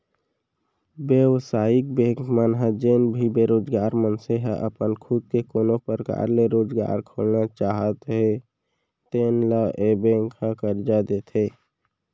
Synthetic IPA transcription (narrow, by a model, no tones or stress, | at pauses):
bjəwsaːɪk̚bẽːŋkmənɦəd͡ʒeːnbʱibeːɾoːd͡ʒɡaːɾmənseɦəʔə̰pənkʰud̪̚kekoːnopəɾəka̰ːɾleɾoːd͡ʒɡa̰ːɾkʰoːlnat͡ʃaːɦət̪ɦe | t̪eːnlaʔebẽːŋkhãkəɾd͡ʒad̪eːt̪ɦeː